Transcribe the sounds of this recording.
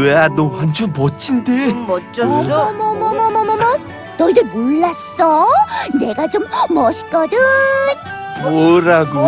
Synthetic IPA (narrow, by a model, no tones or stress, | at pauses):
eadohant͡ɕʰunmʌt͡ɕʰindemʌt͡ɕ͈ʌʌmʌmʌmʌmʌmʌmʌ | nʌidɯɭmoɭːas͈ʌne̞ɡat͡ɕomːʌɕʰi̥k͈ʌɾɯn | moɾaɡo